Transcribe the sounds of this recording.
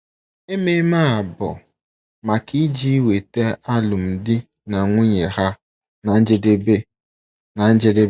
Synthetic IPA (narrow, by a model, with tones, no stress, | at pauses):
e˦me˦ma˦a˨bʊ̰˨ | ma˨ki˦d͡ʒi˦we˨te˦a˦lʊ˨m̩˨dɪ˦ | na˨ŋʷʊ˦ɲe˨ha˦ | na˨n̩˦d͡ʒe˦de˦be˦ | na˨n̩˦d͡ʒe˦de˦